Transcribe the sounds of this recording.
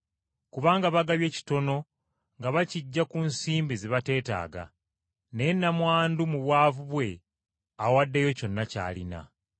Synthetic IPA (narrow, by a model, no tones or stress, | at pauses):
kuβaːŋɡaβaɡaβje̞ːci̥to̞no̞ | ŋɡaβaciɟːakunsiːmbiziβate̞ːta̰ːɡa̰ | ne̞nːamwaːndumuβwaːvuβwe̞ | awadːejoco̞nːaca̰ːlḭna̰